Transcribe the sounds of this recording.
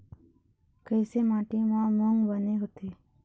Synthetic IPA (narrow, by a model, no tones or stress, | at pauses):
kəjseːmaːʈiːmãːməŋɡbəneːɦʊt̪ʰeː